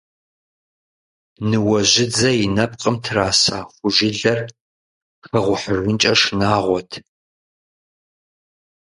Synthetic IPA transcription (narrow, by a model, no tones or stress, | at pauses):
nɨwɐʑɪd͡zɐjɪnɐp̚qʼəmtʰɨraːsaːχʷʊʒɪɮɐr | xɐʁʷʊħərwʊnt͡ʃʼɐʂnaːʁʷɔtʰ